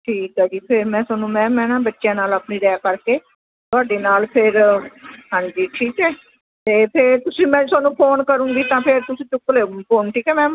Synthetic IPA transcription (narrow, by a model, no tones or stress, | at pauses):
ʈʰiːkɛːd͡ʒiːpʰɪɾmɛ̃ːsənũːmɛ̃ːmɛ̃ːnãːbətːʃjãːnaːlaːpnĩːɾɛːkəɾkeː | t̪ʊaːɖeːnaːlpʰɪɾ | ɦãːɲd͡ʒiːʈʰiːkɛː | t̪eːpʰɪɾt̪ʊsĩːmɛ̃ːsaːnũːpʰoːnkəɾũːɡiːt̪ãːpʰɪɾt̪ʊsĩːt͡ʃʊkːleːpʰoːnʈʰiːkɛːmɛ̃ː